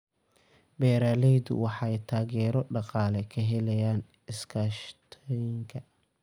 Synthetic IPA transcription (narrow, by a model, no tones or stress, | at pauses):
bɛːɾaːlɛjd̪ʊ̰wɑħɑɛjt̪ʰaːɣɛːɾɔɖɑqɑːlɛkʰɐɦɛlɛjaːn | ɪskʰaːʃt̪ʰɔjɪŋkʰɐ